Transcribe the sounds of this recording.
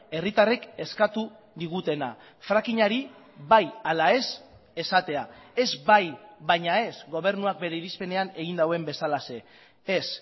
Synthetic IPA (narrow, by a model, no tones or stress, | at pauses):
e̞rit̪areke̞skat̪u | ðiɣ̞ut̪e̞na̰ | fɾakiɲaɾi | βajalae̞s | e̞sat̪e̞ae̞zbajβajɲae̞zɣo̞β̞e̞ɾnuak̚be̞ɾeiɾispe̞ne̞ane̞ɣind̪awe̞mbe̞salase̞ | es